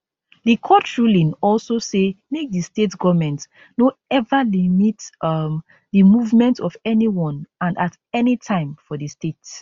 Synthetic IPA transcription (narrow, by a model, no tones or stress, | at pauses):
ðikʰɔtʃulĩnɔlsosemek̚distetɡɔvmɛ̃nt | noɛvalimitm | ðimuvmɛ̃ntɔvɛniwɔ̃nãnat | ɛnitʰãɪ̃mfɔðistet